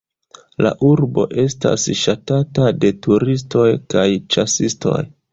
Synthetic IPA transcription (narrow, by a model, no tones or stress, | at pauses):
la̰ʔuɾbo̞̰ʔe̞sta̰sʃatatade̞tuɾis̬to̞jkajt͡ʃasisto̞̰j